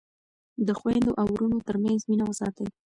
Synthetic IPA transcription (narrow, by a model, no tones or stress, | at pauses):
d̪əxwand̪oʔawɾunot̪əɾmanzminawazɑ̰t̪a